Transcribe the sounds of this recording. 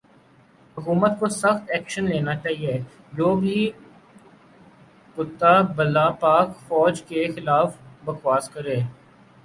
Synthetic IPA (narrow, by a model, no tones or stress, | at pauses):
ɦʊkuːmət̪̚kosɐxt̪ɛːkʃənleːnat͡ʃaːɦie | d͡ʒoːbʱi | kʊt̪ːabɐlːapaːkfɔːd͡ʒkexɪlaːfbɐxwaːskɐɾeː